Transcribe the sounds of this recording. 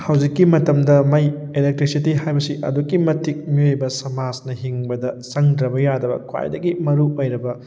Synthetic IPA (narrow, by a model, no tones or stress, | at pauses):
hɐwzikːimɐtɐmdɐmɐjelek̚tɾisitiɦajbɐsiʔɐ̰dukːimɐtʰik̚miojbɐsɐmasnɐɦiŋbɐdɐsɐŋdɾɐbɐjadɐbɐ̰kʰwa̰jdɐɡimɐɾuojɾɐbɐ